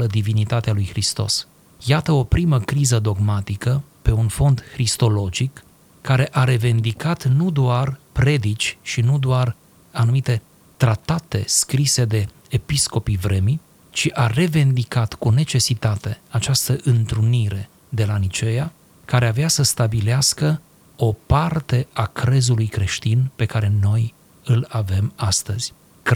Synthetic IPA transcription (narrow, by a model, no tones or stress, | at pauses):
əd̪ivinit̪at̪ealujhɾist̪o̞̰s | jat̪əo̞pɾiməkɾizəd̪o̞ɡmat̪ikəpe̞unfo̞nd̪hɾist̪o̞lo̞d͡ʒikː | aɾe̞ʔaɾe̞vend̪ikat̪nud̪oarpɾe̞d̪it͡ʃʲʃinud̪oar | anumit̪e̞ | t̪ɾat̪at̪e̞̰skɾise̞d̪e̞ː | pisko̞pivɾe̞mi | t͡ʃiʔare̞vend̪ikat̪kune̞t͡ʃe̞sit̪at̪e̞at͡ʃast̪əʔɨnt̪ɾuniɾe̞ | d̪e̞lanit͡ʃe̞ja | kaɾeaveasəst̪abileaskə | o̞part̪e̞akɾe̞zulujkɾe̞ʃt̪inpe̞kaɾe̞no̞j | ɨlave̞mast̪əz̥ʲ